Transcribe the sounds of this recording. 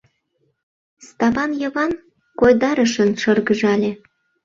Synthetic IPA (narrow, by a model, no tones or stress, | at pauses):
st̪ɑβɑnjɤ̆βɑn | kojd̪ɑɾə̆ʃə̆nʃɤrɣəʒɑlʲe